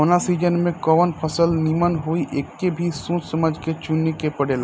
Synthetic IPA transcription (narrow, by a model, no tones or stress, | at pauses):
onasid͡ʒənmẽkɔʋənpʰəsəlnimənɦoiʔekːebʱisũt͡ʃsəməd͡ʒʱket͡ʃunːekepəɽela